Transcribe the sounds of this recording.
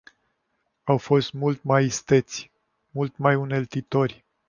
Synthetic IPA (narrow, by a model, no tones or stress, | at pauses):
awfo̞st̪mult̪majist̪e̞t̪sʲ | mult̪majune̞lt̪it̪o̞rʲ